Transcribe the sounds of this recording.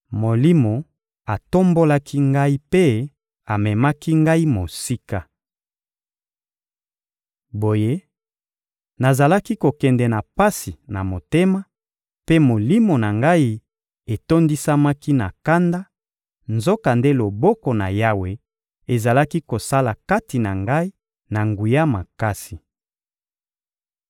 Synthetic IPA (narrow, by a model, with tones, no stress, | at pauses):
mo˨li˦mo˨ | a˨to˦mbo˦la˦kʰi˦ŋɡa˦i˦pe˦ | a˨mɛ˨ma˦ki˦ŋɡa˦i˦mo˨si˦ka˦ | bo˨je˦ | na˨za˨la˦ki˦ko˨kɛ˨ndɛ˨na˨pa˦si˨na˨mo˨te˦ma˦ | pe˦mo˨li˦mo˨na˨ŋɡa˦i˦ | e˨to˦ndi˦sa˦ma˦ki˦na˨ka˦nda˦ | nzo˦ka˨nde˦lo˨bɔ˦kɔ˨na̰˨ja˦we˨ | e˨za˨la˦ki˦ko˨sa˦la˨ka˦ti˨na˨ŋɡa˦i˦ | na˨ŋɡu˨ja˦ma˨ka˦si˨